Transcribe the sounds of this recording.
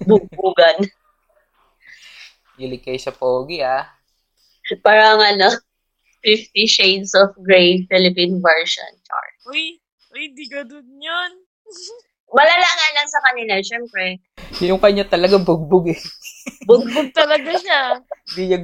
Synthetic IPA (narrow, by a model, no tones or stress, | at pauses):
bʊɡ̚buːɡɐn | jɪlɪkɐjsɐpoːɡɪa | paːɾɐŋɐno | fɪft̪iʃejd̪sɔfɡɹejfɪlɪpinvɛɹʃo̰nt͡ʃa̰ɹʊj | hɪnd̪iɡɐd̪ʊnjon | mɐlalaŋanlɐŋsɐkɐnɪlaʃɛmpɾɛ | jʊŋkɐɲːat̪ɐlɐɡabʊɡ̚bʊɡɛbʊɡ̚bʊɡ̚t̪ɐlɐɡaɲand̪iɲɐ